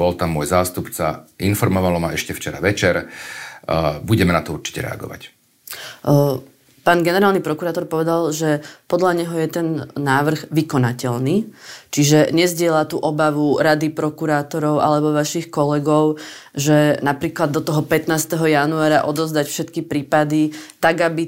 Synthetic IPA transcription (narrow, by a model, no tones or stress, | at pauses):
bɔlt̪amːʊɔjzaːst̪upt͡sa̰infɔɾmɔʋalɔmaɛʃcɛft͡ʃɛɾa̰ʋɛt͡ʃɛɾ | buɟɛmɛnat̪ɔuɾt͡ʃi̥cɛ̰ɾɛ̰a̰ɡɔ̰ʋa̰c | paːnɡɛnɛɾaːlnipɾɔkuɾaːt̪ɔɾpɔʋɛd̪alʒɛpɔd̪ʎaɲɛɦɔjɛt̪ɛnːaːʋr̩ɣʋikɔnacɛlnit͡ʃiʒɛɲɛzɟɪɛlat̪uːʔɔbaʋuɾad̪ipɾɔkuɾaːt̪ɔɾɔʊʔa̰lɛbɔʋaʃixkɔlɛɡɔʊʒɛnapɾiːklad̪ːɔt̪ɔɦɔpɛt̪naːst̪ɛɦɔjanuaːɾaʔɔd̪ɔzd̪acfʃɛt̪kipɾiːpad̪it̪aɡabi